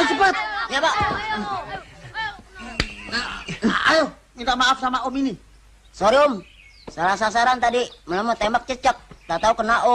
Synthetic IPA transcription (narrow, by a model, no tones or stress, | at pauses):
səpat̪̚jabaʔ | ajo | mint̪amaʔafsamaʔomini | soɾiʊm | salas̬as̬aɾant̪adimələmət̪embak̚t͡ʃət͡ʃək̚t̪at̪aukənaʔo